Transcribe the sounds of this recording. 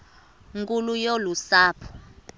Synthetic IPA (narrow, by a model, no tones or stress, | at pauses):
ŋkʼulujolusaːpʰɔ̥